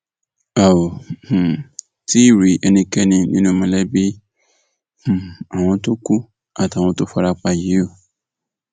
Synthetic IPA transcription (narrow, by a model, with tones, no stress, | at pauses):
a˨õ˨ | ti˦i˦˨ɾi˨˧˦ʔɛ˧nĩ˧kɛ˦nĩ˧nĩ˦nũ˦mɔ̃˧lɛ˦bi˦˨ | a˨w̃ɔ̃˧to˦ku˦ | a˦˨ta˨wɔ̃˧to˦fɔ˧ɾa˧k͡pa˧ji˨˦o˦˨